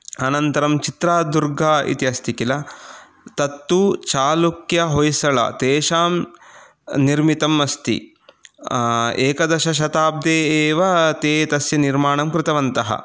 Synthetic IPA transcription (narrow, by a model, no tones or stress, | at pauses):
ɐnɐnt̪ɐɾɐmt͡ʃit̪ɾaːd̪uɾɡaːḭt̪iɐst̪ʰikilɐ | t̪ɐt̪ːut͡ʃaːlukjɐɦojsɐɭɐ̰t̪eːʃaːm | niɾmit̪ɐmɐst̪ḭ | eːkɐd̪ɐʃɐʃ̬ɐt̪aːb̚d̪eːʋɐt̪eːt̪ɐsjɐniɾmaːɳɐmkɾɪt̪ɐʋɐnt̪ɐɦɐ̰